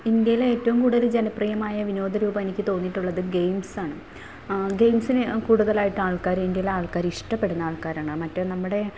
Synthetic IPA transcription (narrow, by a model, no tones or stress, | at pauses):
ind̪jɐjileeːtːɐʋumkuːɽuðɐlɨd͡ʑenɐprɐjɐmaːjɐʋino̞ːd̪ɐɾuːbɐe̞nikʲːɨt̪o̞ːnːiʈːuɭːɐðɨɡe̞jmsaːɳɨ | ɡe̞jmsinɨkuːɽuðɐlaːjiʈːɨaːɭkaːɾind̪jɐjileaːɭkaːɾiʂʈɐpːe̞ɽunːɐaːɭkaːɾaːɳɨmɐtːonɐmːuɽe̞